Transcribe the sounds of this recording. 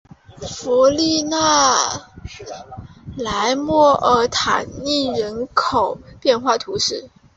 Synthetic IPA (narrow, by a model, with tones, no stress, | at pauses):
fu˧˥li˥˧na˥˩ | la˧˥ɪmwɔ˥˩ʔə˧˥t̪ʰa̰˨˩nni˥˩ɻə˧˥nkʰo˨˩˦ʊpjɛ˥˧nxwa˥˩t̪ʰu˧˥ʂɻ̩˥˩